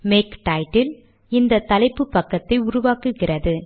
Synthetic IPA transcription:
meːkʈɐɪʈːɪl | ɪnd̪ɐt̪ɐlɐɪpːɯpːɐkːɐt̪ːɐɪʊɾʊʋaːkɯɣɪrɐðɯ

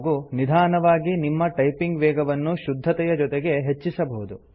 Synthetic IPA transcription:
ɡunid̪ʱaːnɐʋaːɡinimːɐʈɐjpiŋɡʋɛːɡɐʋɐnːuʃud̪ʱːɐt̪ɛjɐd͡ʒɔt̪eɡe̞ɦet͡ʃːisɐbɐɦud̪u

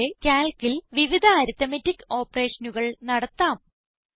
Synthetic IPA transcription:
ekaːlkilʋiʋid̪ʱɐːɾit̪ɐmɐtːikːo̞ːpːɐre̞ːʂɐnuɣɐɭnɐɽɐt̪ːaːm

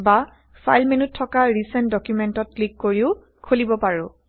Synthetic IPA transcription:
ba | fʰajlmenutʰːɔkaɹisɛntdɔkjumɛntɔt̚klikːoɹiʊ | kʰolibɔpaɹʊ̃

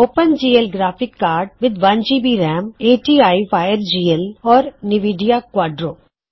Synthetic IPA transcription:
oːpənd͡ʒiːəlɡɾaːfɪkːaːɾɖ̚ʋɪd̪ʋɐ̃nd͡ʒiːbiːɾɛ̃ːmeːʈiaːiʋaːjəɾd͡ʒiːəlɔːɾnɪʋiɖijakwaːɖɾoː

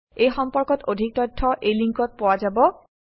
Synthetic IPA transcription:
ejxɔmpɔɹkɔtodʱik̚t̪ɔtʰːɔʔejliŋkɔt̚powad͡ʒabɔ

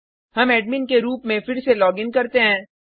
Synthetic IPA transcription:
hɐmɛːɖminkeɾuːpmẽfɪɾselɔːɡɪnkɐɾt̪eɦɛ̃ː

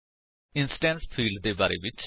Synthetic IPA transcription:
ɪ̃nsʈɛ̃nsfʰiːlɖd̪eːbaɾḛʋɪt͡ʃ

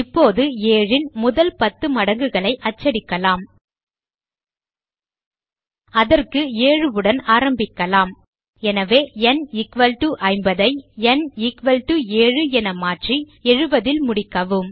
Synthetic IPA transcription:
ɪpːoːðɯeːɻɪnmʊðɐlpɐt̪ːɯmɐɽɐŋɡɯɣɐɭɐɪʔɐt͡ʃːɐɾɪkːɐlaːm | ɐðɐrkɯeːɻɯʋɯɽɐnaːɾɐmbɪkːɐlaːm | ɛnɐʋeːɛnɪkʋɐlʈuʔɐɪmbɐðɐɪɛnɪkʋɐlʈueːɻɯɛnɐmaːʈri | ɛɻɯʋɐðɪlmʊɽɪkːɐʋɯm

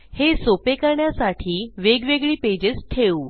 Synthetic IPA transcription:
hesopekəɾɳjasaʈʰiːʋeɡʋeɡɭiːped͡ʑesʈʰeuː

